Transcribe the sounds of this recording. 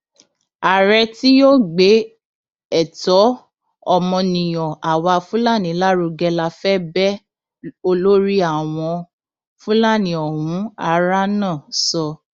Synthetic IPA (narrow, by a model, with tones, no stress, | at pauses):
a˨ɾɛ˧ti˦jo˦˨ɡ͡be˨˦ | ɛ˦˨tɔ˨˦ | ɔ˦mɔ̃˧nĩ˨j̃ɔ̃˨ʔa˨wa˧fũ˦la˦˨nĩ˨˦la˦ɾu˧ɡɛ˧la˧fɛ˦bɛ˦ | o˧lo˦ɾi˦a˦˨w̃ɔ̃˧ | fũ˦la˦˨nĩ˧˦ɔ˨ɦũ˨˦a˧ɾa˦nã˦˨sɔ˧